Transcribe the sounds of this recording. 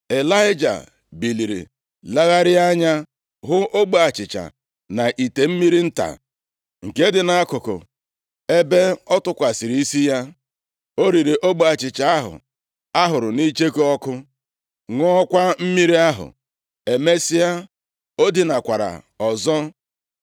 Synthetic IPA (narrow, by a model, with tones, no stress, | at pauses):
e˨la˦ɪ˦d͡ʒa̰˨ | bi˨li˨ɾḭ˨ | la˦ɣa˦ɾɪ˦a˦ɲa˦ | ɦʊ˦o˦ɡ͡bo˨a˨t͡ʃɪ˨t͡ʃa̰˨ | na˨ʔi˨te˨m̩˦mi˦ɾi˦n̩˦ta̰˨ | ŋ̩˨ke˦dɪ˨na˨a˦kʊ˨kʊ̰˨ | e˦be˦ɔ˦tʊ˦kʷa˨si˨ɾi˦i˦si˦ja˦ | o˦ɾi˨ɾi˨ʔo˦ɡ͡bo˨a˨t͡ʃɪ˨t͡ʃa˨a˦ɦʊ̰˨ | a˦ɦʊ˨ɾʊ˨ni˦t͡ʃe˦kɔ˦kʊ˦ | ŋʷɔ˦ɔ˦kʷa˦m̩˦mi˦ɾi˦a˦ɦʊ̰˨ | e˨me˦si˦a˦ | o˦di˨na˨kʷa˨ɾa̰˨ | ɔ˨zɔ˦